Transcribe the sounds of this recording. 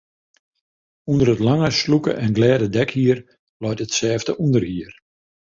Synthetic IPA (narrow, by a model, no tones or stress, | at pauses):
undəɾətlaŋəslukə̰ʔɛnɡlɛːdədɛkhiər | lɔjtətsɛːvdəʔundərhiər